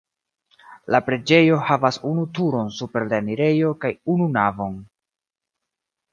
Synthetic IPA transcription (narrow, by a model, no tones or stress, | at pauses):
lapɾe̞d͡ʒe̞jo̞havasunutuɾo̞nsupe̞ɾleniɾe̞jo̞kajununavo̞n